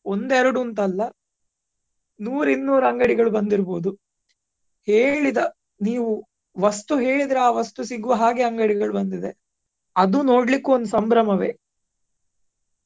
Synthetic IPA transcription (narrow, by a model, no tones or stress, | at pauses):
o̞nd̪eɾɐɽunt̪̬ɐlːɐ | nuːɾinːuːɾɐŋɡɐɽiɡɐɭubɐnd̪iɾboːd̪u | he̞ːɭid̪ɐ | niːʋu | ʋɐst̪uɦe̞ːɭid̪ɾeaːʋɐst̪usiɡuʋɐɦaːɡeɐŋɡɐɽiɡɐɭubɐnd̪id̪e̞ | ɐd̪uno̞ːɽlikːuond̪usɐmbɾɐmɐʋe̞̰ː